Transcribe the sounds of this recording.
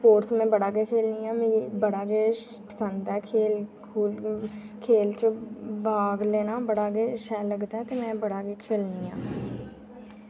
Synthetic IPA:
spoːɾsmɛ̃ːbəɽaːɡeːkʰeːlniːãːmẽːibəɽaːɡeː | pəsənd̪ɛːkʰeːlkʰuːlkʰeːlt͡ʃəbaːɡleːnaːbəɽaːɡeːʃɛːləɡt̪aɛːt̪eːmɛ̃ːbəɽaːkeːkʰeːlniːãː

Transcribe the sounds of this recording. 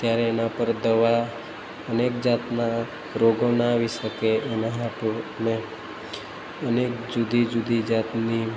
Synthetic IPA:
t̪jaɾeːnapəɾd̪əʋa | ənek̚d͡ʒat̪na | ɾoɡonaːʋiʃəkeʔenaɦaʈone | ənekd͡ʒud̪ʱid͡ʒud̪ʱid͡ʒat̪ni

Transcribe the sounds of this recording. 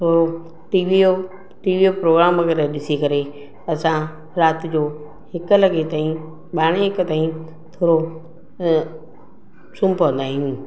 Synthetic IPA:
t̪ʰoːɾo | ʈiːʋiːjo | ʈiːʋiːopɾoːɡɾaːmɐkəɾeɗɪsikɐɾe | ɐsã | ɾaːt̪ɪd͡ʑoː | hɪkʊ̆lɐɡet̪aːĩ | ɓaːɽ̃eɦɪkt̪aːĩ | t̪ʰoːɾo | sʊ̃mpʋə̃nd̪aːɦĩũː

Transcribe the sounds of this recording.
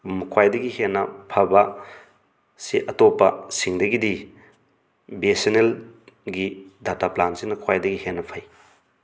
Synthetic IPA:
mukʰwajdɐɡihenːɐpʰɐbɐ | siʔɐtopːɐsiŋdɐɡidi | besenelɡidataplansinɐkʰwajdɐɡihenːɐpʰɐj

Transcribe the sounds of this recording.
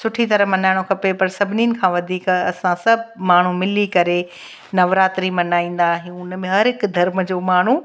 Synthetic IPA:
sʊʈʰit̪ɐɾəɦmɐnaːɪɽ̃okʰɐpepɐɾsɐbʱɪniːnɪ̆kʰãːʋɐd̪ʱiːkɐsãsɐbʱmaːɳ̤umɪlikɐɾe | nɐʋɾaːt̪ɾimɐnaːĩːn̆d̪aɦiũʊnmẽɦɐɾɦɪkd̪ʱɐɾmd͡ʑoːmaːɳ̤u

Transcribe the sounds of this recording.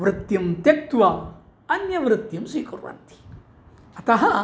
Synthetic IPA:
ʋɾɨt̪jɐmt̪jek̚t̪ʋaː | ɐnjɐʋɾɨt̪jɐmswiːkuɾʋɐ̰nt̪i̥ | ɐt̪ɐɦɐ

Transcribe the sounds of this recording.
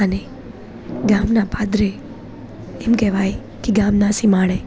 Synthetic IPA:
əne | ɡamnapad̪ɾe | emkɛʋaj | kiɡamnasimaɭe

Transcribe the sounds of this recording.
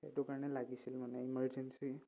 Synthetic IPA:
ḛtʊkaɹnɛlaɡisilmanɛiməɹd͡ʒensi

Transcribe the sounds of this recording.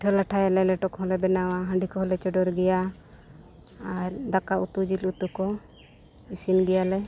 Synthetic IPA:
ʈʰɔlaʈʰajalɛlɛʈɔkɦɔlɛbɛnawaɦə̃ɳɖikɔɦɔlɛt͡ʃɔɖɔɾɡɛja | ɾd̪akaut̪ud͡ʒilut̪ukɔ | isinɡɛjalɛ

